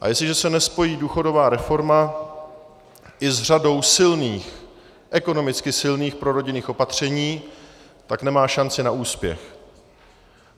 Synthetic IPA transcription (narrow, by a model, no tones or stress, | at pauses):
ʔa̰jɛslɪʒɛsɛnɛspo̞jiːduːxo̞do̞vaːɾɛfo̞ɾma | ʔɪzr̝ado̞wsɪlniːx | ʔɛko̞no̞mɪt͡skɪsɪlniːxpɾoɾo̞ɟɪniːxopat̪r̝̥ɛɲiː | t̪aknɛmaːʃant͡sɪnaʔuːspjɛ̰x